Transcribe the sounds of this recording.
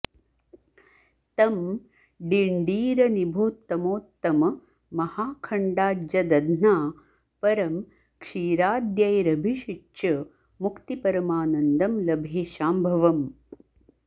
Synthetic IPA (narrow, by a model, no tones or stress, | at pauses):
t̪ɐm | ɖiɳɖiːɾɐnibʱoːt̪ːɐmoːt̪ːɐm | mɐhaːkʰɐɳɖaːd͡ʒɐd̪ɐd̪naː | pɐɾɐm | kʂiːɾaːd̪jɐjɾɐbʱiʃit͡ʃɐ | mukt̪ipɐɾɐmaːnɐnd̪ɐmlɐbʱeːʃaːmbʱɐʋɐm